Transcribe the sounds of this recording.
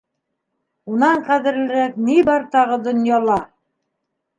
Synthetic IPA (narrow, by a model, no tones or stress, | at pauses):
unɑɴqæðɘ̆ɾlɘ̆ɾæknibɑɾt̪ɑʁɤd̪ŏnjɑlˠɑ